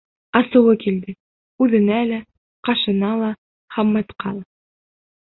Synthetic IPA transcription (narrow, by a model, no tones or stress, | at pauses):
ɑsɤ̆wɤkild̪ɘ | ʉðɘ̆nælæ | qɑʃɤ̆nɑlˠɑ | χɑmːɑt̪qɑlˠɑ